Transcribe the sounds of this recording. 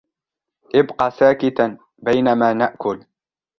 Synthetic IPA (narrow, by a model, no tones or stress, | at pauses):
ʔɪbqɑːsaːkɪt̪a | bajnamaːnaʔkʊl